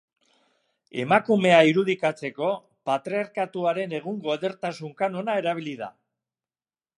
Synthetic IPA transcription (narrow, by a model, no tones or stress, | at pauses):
e̞̰makume̞aiɾuð̞ikat͡se̞ko̞ | pat̪ɾeaɾkat̪uaɾe̞ne̞ɣ̞uŋɡo̞eðe̞ɾt̪asuŋkano̞nae̞ɾaβ̞iliða̰